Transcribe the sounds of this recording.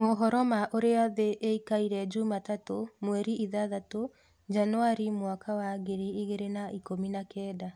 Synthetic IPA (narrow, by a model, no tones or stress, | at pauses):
moɦɔɾɔmaʔoɾeaðeʔeikaiɾɛd͡ʑumatatomwɛɾiʔiðaðato | d͡ʒanwaɾimwakawaɣeɾiiɣeɾenaʔikominakɛːda